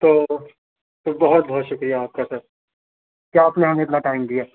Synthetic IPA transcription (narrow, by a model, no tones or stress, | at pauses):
t̪oː | t̪obɐɦʊt̪̚bɔɦt̪ʃʊkɾijaːp̚kasɐɾ | kjaːpneɦɐmeɪt̪naʈaːɪmd̪ijaː